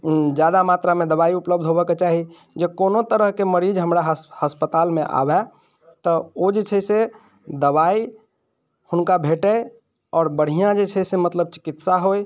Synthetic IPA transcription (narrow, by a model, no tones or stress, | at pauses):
d͡ʒjad̪amat̪ɾamẽd̪əbaiupləb̚d̪ʱɦobɛket͡ʃaɦi | d͡ʒekonot̪əɾəɦkeməɾiːd͡ʒɦəmɾaɦhəspət̪aːlmẽʔa̰bɛ | t̪ɔod͡ʒet͡ʃʰɛse | d̪əbaːi | hʊnkabʱeʈə | ɔːɾbəɽ̤ijãd͡ʒet͡ʃʰɛsemət̪ləb̚t͡ʃɪ̥kɪt̪saɦoj